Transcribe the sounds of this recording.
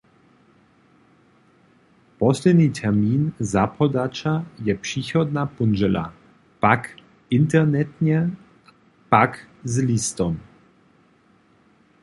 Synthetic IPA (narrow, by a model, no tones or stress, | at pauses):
pɔslɛd̪niːt̪ʰɛrmiːnzapʰɔd̪at͡ʃajɛpʂiːxɔd̪napund͡ʒɛla̰ | pak | ɪnt̪ɛɾnɛt̪ɲɛ | pakzlist̪ɔm